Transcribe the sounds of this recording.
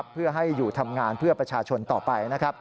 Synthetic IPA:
pʰːɯ˥˩ɐɦa˥˩jːuː˨˩t̪ʰa˧mŋaː˧npʰɯ˥˩ɐpɾa˧t͡ɕʰaː˧t͡ɕʰo˧nt̪ɔː˨˩pa˧jna˦˥kʰa˦˥p̚

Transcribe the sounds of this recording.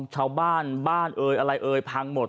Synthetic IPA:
t͡ɕʰaː˧wbaː˥˩nbaː˥˩nʔɤː˧jʔa˧ɾa˧jʔɤː˧jpʰa˧ŋmo˨˩t̪̚

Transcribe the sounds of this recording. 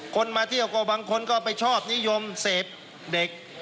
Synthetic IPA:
kʰo˧nmaː˧t̪ʰi˥˩əwkoː˧˩baː˧ŋkʰo˧nkɔː˥˩pa˧jt͡ɕʰɔː˥˩p̚ni˦˥˨jo˧mseː˨˩p̚ | de˨˩k̚

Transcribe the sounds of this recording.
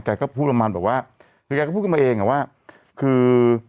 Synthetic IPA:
ka˧jkɔː˥˩pʰuː˥˩t̚pʰa˧maː˧nbɛː˨˩p̚waː˥˩ | kʰɯː˧a˧kːɔ˥˩pːuː˥˩kʰːma˧ʔeː˧ŋa˨˩waː˥˩ | kʰɯː˧

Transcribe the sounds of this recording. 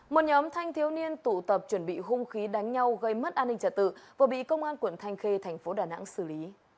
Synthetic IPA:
mo˨˩t̚ɲɔ˨˦mt̪ʰa˧jŋ̟t̪ʰi˨˦əwni˧ənt̪u˧˩t̪ə˨˩p̚t͡ɕwə˧˩nɓḭ˧˨ɦʊ˧ŋ͡mxi˨˦ɗa˨˦ŋ̟ɲa˧wɣə˧jmə˦˥t̚ʔaː˧nːï˧ŋt͡ɕə˨˧˩t̚t̪ɨ̰˧˨vaː˨˩ɓḭ˧˨kə˧wŋ͡mʔaː˧nkwə˧˩nt̪ʰa˧jŋ̟xe˧t̪ʰɛ˨˩jŋ̟fo˨˦ɗaː˧˩na̰ː˧˥ŋsɨ˧˩li˨˦

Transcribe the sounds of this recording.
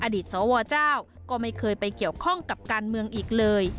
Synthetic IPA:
ʔaː˧diː˨˩t̪̚sɔː˩˦wɔː˧t͡ɕaː˥˩w | kɔː˥˩ma˥˩jkʰɤː˧jpa˧jki˨˩əwkʰɔ˥˩ŋka˨˩p̚kaː˧nmɯ˧əŋʔiː˨˩k̚lɤː˧j

